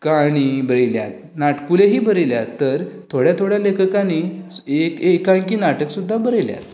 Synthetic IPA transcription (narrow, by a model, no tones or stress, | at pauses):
kaɽ̃ibəɾlja̰t̪̚naʈkuleɦiːbəɾelja̰tt̪ːəɾt̪ʰoɽjat̪ʰoɽjalekʰəkaɽ̃iekekːãkiːnaʈəksud̪ʱːabəɾelja̰t̪